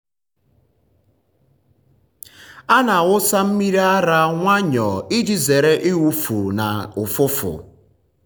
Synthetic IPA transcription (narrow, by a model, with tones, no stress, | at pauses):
a˦na˨ɣʊ˦sa˦m̩˦mi˦ɾi˦a˦ɾa˦ŋʷa˦ɲɔ˨i˦d͡ʒi˦ze˨ɾe˦ʔɪ˦wu˦fu˨na̰˨ʊ˨fʊ˦fʊ̰˨